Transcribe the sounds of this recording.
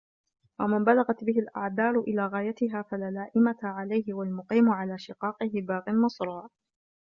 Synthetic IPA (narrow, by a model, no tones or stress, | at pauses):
wamɪmbalaɣat̪bɪɦɪlʔa̰ʕd̪ɑːɾˤʊʔɪlaːɣaːjat̪ɪɦaːfalaːlaːʔɪmaʕalajɦɪwalmʊqiːmʊʕalaːʃɪqɑːqɪɦɪbaːɣɪnmɑsˤɾˤɑːʕ